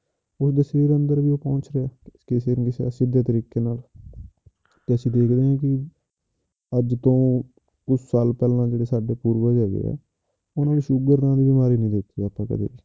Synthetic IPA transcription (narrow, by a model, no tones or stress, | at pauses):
ʊsd̪eːseːɾə̃nd̪əɾʋiːoːpɔ̃ːnt͡ʃɾeaːkeːseːɾkɪsesɪd̪eːt̪əɾiːkːeːnaːl | t̪eːəsĩːd̪eːkʰd̪eːãːkɪ | əd͡ʒt̪õː | ʊssaːlpɛːlãːd͡ʒeːɽeːsaːɖeːpuːɾʋaːd͡ʒaːɡḛːɛ̰ː | ʊnãːʋiːʃʊɡəɾd̪ãːd̪iːbɪmaːɾiːnəĩːd̪eːk̚ʰt̪iːaːpːãːkə̰d̪ḛːiː